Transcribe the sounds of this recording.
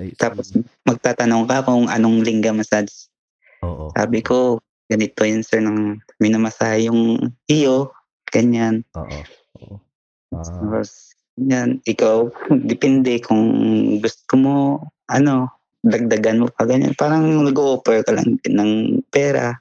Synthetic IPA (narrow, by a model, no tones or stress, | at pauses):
t̪aːpo̞smɐɡ̚t̪aːt̪ɐnoŋkɐkoŋʔɐno̞ŋlɪŋɡɐmɐsads | sa̰ːbɪko̞ | ɡ̥ɐnɪt̪ojʊnsɛɹnɐŋmɪnɐmɐsaːhɪjʊŋɪjo | ɡ̥ɐɲan | t̪aːpos | ɲanʔɪkawd̪ɪpɛnd̪ɛkʰʊŋɡʊst̪omo̞ʔɐno̞ | d̪ɐɡ̚d̪ɐɡɐnmopɐɡɐɲa̰npaːɾɐŋnɐɡoʔoːpɛɹkɐlɐ̰ŋnɐŋpɛːɾa̰